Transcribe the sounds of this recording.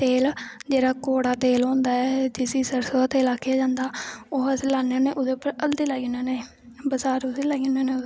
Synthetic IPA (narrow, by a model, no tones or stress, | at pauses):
t̪eːld͡ʒeːɽaːkoːɽaːt̪eːlɦõːnd̪aːɛd͡ʒɪsiːsəɾsoaːt̪eːlaːkʰːɪjaːd͡ʒãːnd̪aːoːəselaːneːneːʔʊd̪eːpːəɾəld̪iːlaːɡnoːneː | bəsaːɾodiːlɛːɡnoːneː